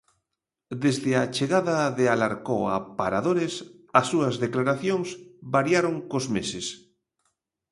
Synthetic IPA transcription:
d̪ezðeat͡ʃeɣaðaðealaɾkoa̰paɾaðoɾes | ɐsːuɐzðeklaɾaθjoŋsbaɾjaɾoŋkozmeses

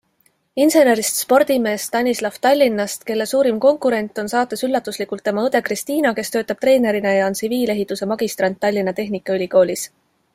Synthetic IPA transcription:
inse̞ne̞ɾist̪spo̞rd̪̥ime̞ːst̪ɑnʲislɑft̪ɑlʲːinːɑst̪ke̞lːe̞suːɾimko̞ŋkuɾe̞nt̪ːˑo̞nsɑːt̪ːˑesylːɑt̪ːˑuslikult̪ːe̞mɑɤd̪e̞krist̪iːnɑke̞st̪ø̞ːt̪ːˑɑb̥̚t̪re̞ːne̞ɾinejɑonsiviːle̞ɦit̪ːˑuse̞mɑɡ̥ist̪rɑnt̪ːɑlʲːinːɑt̪e̞ɦnikːˑɑylʲiko̞ːlʲis

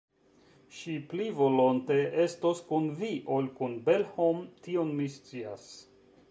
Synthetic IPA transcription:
ʃiplivo̞lonte̞ʔe̞stoskunviʔolkunbe̞lhomtio̞nmist͡sias

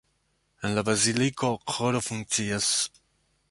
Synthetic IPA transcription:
enlabɾazilikoqʰoɾofuŋt͡sias

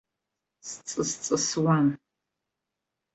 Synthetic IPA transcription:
st͡sʼɨst͡sʼɨswan

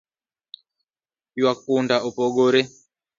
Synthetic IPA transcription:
jwak̚undaupɔɡoɾɛ

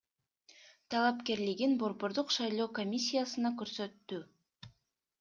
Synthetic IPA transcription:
t̪ʰɑlˠɑpke̞ɾliɡinbo̞ɾbo̞ɾd̪uqʃɑjlˠo̞ːko̞mʲisʲːijasɯnɑkøɾsø̞t̪ːy

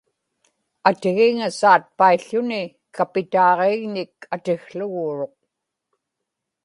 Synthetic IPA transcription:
at̪ɪɣɪŋasaːt̪̚paiɬːʊnɪ | kapɪt̪ɑːʁeːɣnɪkat̪ɪxɬʊɣuːɻo̞q̚

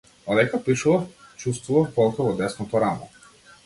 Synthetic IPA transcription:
ɔd̪ɛkapiʃuvaf | t͡ʃust̪vuvafk̪ɔlˠkɔvɔd̪ɛsnɔt̪ɔɾanɔ̰

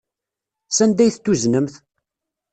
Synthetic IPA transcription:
sænd̪æjθt̪ːuznəmθ

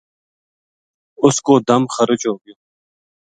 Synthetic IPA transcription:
ʊskoːd̪ɐmxəɾɪt͡ʃoːɡjo

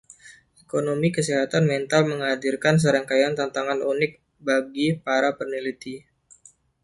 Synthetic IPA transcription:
ʔekonomikəseɦat̪anmɛnt̪alməŋɦadirkans̬əɾaŋkajant̪ant̪aŋanunɪk̚ | baɡipaɾapərnilit̪i

